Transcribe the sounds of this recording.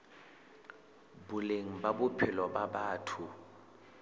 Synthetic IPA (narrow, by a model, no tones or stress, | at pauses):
bʊleŋ̩babʊpʰɪlɔɓaɓaːtʰu